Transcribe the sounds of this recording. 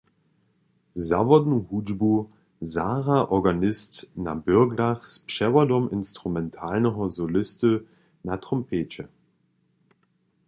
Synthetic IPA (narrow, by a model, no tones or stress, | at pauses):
za̰vɐdnuhuːd͡ʒbu | zaːʁaʔɔɐɡanɪstnabʏɐɡlaχspʃɛvɐdɔmɪnstʁ̥umɛntʰaːlnəɦɔzolɪstə | natʁ̥ɔmpʰeːt͡ʃə